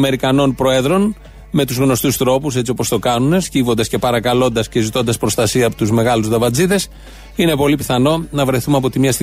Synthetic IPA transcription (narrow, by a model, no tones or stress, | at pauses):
me̞ɾikɐno̞npɾo̞e̞ðɾo̞n | me̞t̪uzɣno̞st̪ust̪ɾo̞pus̬e̞t͡sio̞po̞st̪o̞kɐnune̞scivo̞nd̪ɐsce̞pɐɾɐkɐlo̞nd̪ɐsce̞zit̪o̞nd̪ɐspɾo̞st̪ɐsiɐːpot̪uzme̞ɣɐluzðɐvɐd͡ziðe̞s | ine̞po̞lipiθɐno̞nɐvɾe̞θumɐpo̞t̪imɲɐst̪i